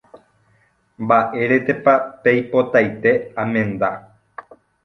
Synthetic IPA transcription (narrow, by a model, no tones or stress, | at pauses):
mbaʔeɾet̪epapejpo̞t̪ajt̪e̞amẽ̞nd̪a